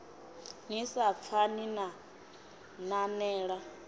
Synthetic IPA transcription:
ɲisap̪fʰanina | nanɛːɺa

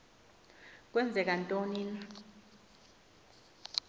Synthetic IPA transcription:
k̬wɛnd͡zʱɛk̬antʼoniːna

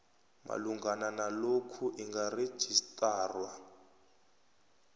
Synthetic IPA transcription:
ma̰luŋɡananalokʰuʔiŋɡare̥ʒ̥ʱistʼaːrwa

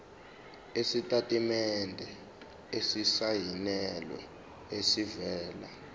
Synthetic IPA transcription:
esitʼatʼimɛndʱɛ | esisajinɛlwɛ̰ | esivɛːla̰

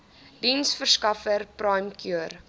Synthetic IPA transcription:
dinsfərskɐfərprɐjmkjuər

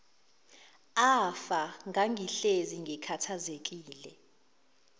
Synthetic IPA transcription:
afaŋaŋʱiɬeziŋʱɛkʰatʰazek̬ʼiːlɛ

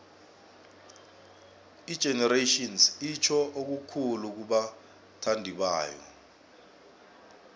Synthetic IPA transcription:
id̥ʒ̥ʱɛnɛretɔnsit͡ʃʰɔʔok̬ukʰuluk̬uɓa | tʰandʱiɓa̰ːjɔ̰

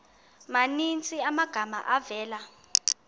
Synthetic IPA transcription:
manint͡sʼiamaɡ̥ʱama̰ʔavɛːla

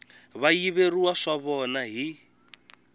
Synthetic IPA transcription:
βajiβeriwaʂaβɔnaɦi

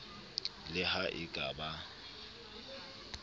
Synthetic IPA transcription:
lɪhaʔɪkʼaba

